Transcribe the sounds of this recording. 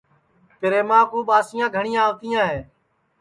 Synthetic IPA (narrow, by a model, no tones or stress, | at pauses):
pɪɾeːmãːkuːɓaːsɪjãːɡʱəɳɪjãːʋt̪ijãːɦeː